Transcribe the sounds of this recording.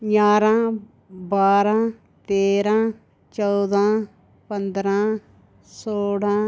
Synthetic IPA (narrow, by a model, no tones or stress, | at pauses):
jaːɾãː | baːɾãː | t̪eːɾãː | t͡ʃɔːd̪ãː | pənd̪ɾãː | soːɽãː